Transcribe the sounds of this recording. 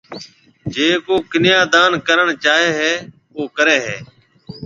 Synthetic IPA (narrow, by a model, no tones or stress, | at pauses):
d͡ʒeːkoːkɪnɪjaːd̪aːnkəɾəɳt͡ʃaːɦeːɦɛː | oːkəɾeːɦɛː